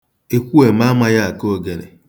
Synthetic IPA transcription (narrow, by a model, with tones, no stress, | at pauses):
e˨kʷu˦e˨m̩˦a˦ma˦ja˦a˨ko˦ɡe˨ɾḛ˨